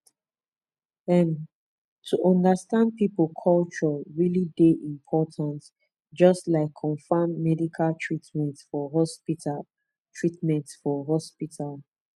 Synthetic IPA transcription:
ɛ̃n | tʰuʔɔ̃ndəstãnd̚pipəlkʰɔlt͡ʃɔɹilideʔĩmpʰɔtʰãnt | d͡ʒɔstlaɪkʰːɔ̃nfamːɛdikʰaltʰɹitmɛ̃ntfɔɦɔspita | tʰɹitmɛ̃ntfɔɦɔspitʰal

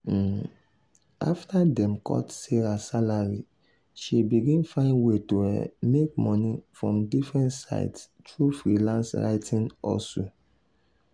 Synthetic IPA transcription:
a̰ftʰadɛ̃mkʰɔ̰tseɾasalaɹi | ʃibiɡĩnfãɪ̃nwetohɛ̰mek̚mɔnifɹɔ̃mdifɹɛ̃ntsa̰ɪds | tʰɹufɹilãnsɹa̰ɪtʰĩnɔ̰lso

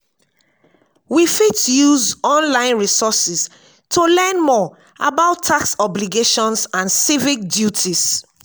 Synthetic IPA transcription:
wifitjuzɔ̃nlãɪ̃nɹisɔsis | tʰulɛnmɔ | ʔa̰baʊtʰːaksɔbliɡeʃɔ̃nsãnsivik̚djutʰis

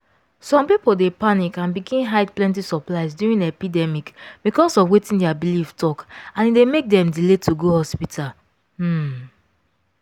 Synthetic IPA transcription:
sɔ̃mpipoldepanikãnbiɡĩnɦaɪdplɛ̃nt̬isɔplaɪzdjuɹĩnepidɛmikbikɔsɔfwetĩndɛabiliftʰɔkãnidemek̚dɛ̃mdiletuɡohɔspitʰal̩

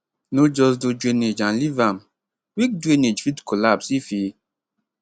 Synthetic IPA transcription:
nod͡ʒɔs̬dud͡ʒuened͡ʒãnlivam | wik̚duened͡ʒfitkʰolabsifi

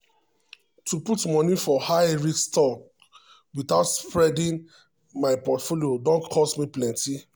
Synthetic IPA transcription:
tʰuputmɔ̃nifɔhajɹikstɔk | witaʊtspɹɛdĩn | maɪpɔtfoliodõntkʰɔsmiplɛ̃nti

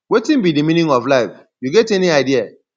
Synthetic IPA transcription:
wetĩm̩bidiminĩŋɔvlaɪf | juɡɛteniaɪdia

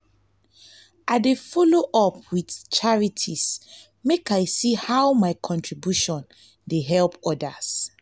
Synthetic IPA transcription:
ʔadefɔloʔɔp̚wiθt͡ʃʰaɹitʰis | mekajsihawmaɪkʰɔ̃ntʰɹibjuʃɔ̃n | deɦɛlpɔdas

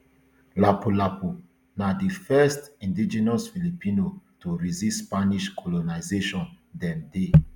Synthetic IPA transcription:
lapulapu | nadifɛstĩndid͡ʒɛnɔsfilipĩnotuɹizistspaniʃkʰɔlonaɪzeʃɔ̃n | dɛ̃nde

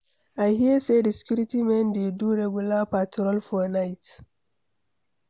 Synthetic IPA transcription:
ʔahiesediskʲuɾitimɛndeduɾɛɡulapatɾɔlfɔnajt

